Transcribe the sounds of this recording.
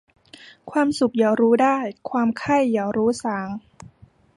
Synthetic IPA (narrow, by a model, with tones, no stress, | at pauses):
kʰwaː˧msu˨˩k̚jaː˨˩ɾuː˦˥daː˥˩jkʰwaː˧mkʰa˥˩jːaː˨˩ɾuː˦˥saː˩˦ŋ